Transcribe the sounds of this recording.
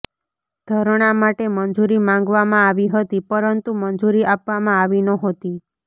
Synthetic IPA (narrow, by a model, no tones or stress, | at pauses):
d̪ʱəɾɽ̃amaʈemənd͡ʒuɾimãŋɡʋamãaʋiɦət̪ipəɾənt̪umənd͡ʒuɾiʔapʋamãaʋinəɦot̪i